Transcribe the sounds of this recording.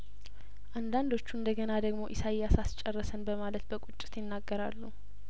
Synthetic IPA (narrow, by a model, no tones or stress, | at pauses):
ʔand̪and̪o̞t͡ʃːuɨnd̪əɡənad̪əɡmo̞ʔɪsajasast͡ʃʼːɛrːəsənbəmalət̪bəkʼut͡ʃʼːɪ̥t̪jɪnːaɡːəɾalːu